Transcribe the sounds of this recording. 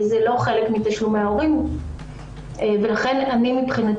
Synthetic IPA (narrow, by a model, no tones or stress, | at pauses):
zelo̞χelekmitaʃumeao̞ʁim | ve̞laχe̞nanimipχinat